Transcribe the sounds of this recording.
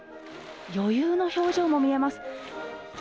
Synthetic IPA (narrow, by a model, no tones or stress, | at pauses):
jo̞jɯːno̞ço̞ːʑiːmo̞mʲie̞masɨ̥